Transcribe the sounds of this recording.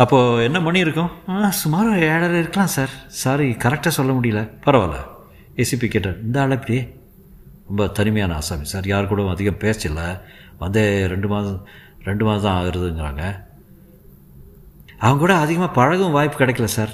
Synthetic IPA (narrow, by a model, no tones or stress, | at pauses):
ɐpːoːɛnːɐmɐɳːiɪɾɯkːʊ̃asʊmaːɾɯeːɽɐlɪɾɯkːɐlãːsaːɾsaːɾikɐɾɛk̚ʈaːsɔlːɐmʊɽɪjɐlɐpɐɾɐʋa̰ːlɐ̰ | esip̬ikeːʈːɐɪnd̪aːɭɐpːɪɽijeː | ɾɔmbɐt̪ɐnɪmɐjaːnɐa̰ːsaːmisaːɾjaːɾɯkuːɽɐ̃ɐðɪɣɐmpeːst͡ʃɪlːɐ | ʋɐnd̪eːɾɛɳɖɯmaːðɾɛɳɖɯmaːðɯt̪ãːaːɣɪɾɐðɯŋɡɪɾa̰ːŋɡɐ | ɐʋɐŋɡkuːɽɐːðɪɣɐmaːpɐɻɐɣɯ̃ʋaːjpːɯ̥kɪɽɛk̬ːɐlɐsaːɾ